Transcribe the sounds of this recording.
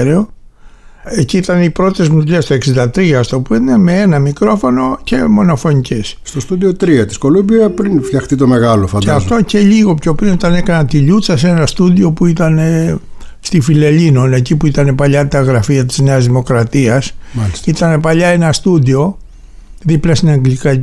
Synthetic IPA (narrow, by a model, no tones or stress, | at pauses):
ɾeo | eciit̪ɐnipɾo̞t̪ezmut̪ʎest̪oeksind̪ɐt̪ɾiɐst̪o̞puineme̞enɐmikɾo̞fo̞no̞ce̞mo̞no̞fo̞ɲice̞sst̪ost̪uðiot̪ɾiɐt̪i̥sko̞lumbiɐpɾinfçɐxt̪it̪o̞me̞ɣɐlofɐneɐft̪o̞ce̞ʎiɣo̞pço̞pɾinit̪ɐne̞kɐnɐnt̪iʎut͡sɐse̞nɐst̪uðio̞puit̪ɐne̞ | st̪ifile̞lino̞ne̞cipuit̪ɐne̞pɐʎɐt̪ɐɣɾɐfiɐt̪i̥zneɐzðimo̞kɾɐt̪iɐsmɐlisit̪ɐne̞pɐʎɐe̞nɐst̪uðio̞ | ðiplɐsinɐŋɡlikɐ